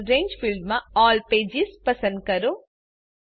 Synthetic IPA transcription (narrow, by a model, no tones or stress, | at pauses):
ɾeːɲd͡ʒpʰilɖmɐɔːlpeːd͡ʒispɐsɐnd̪̚kɐɾo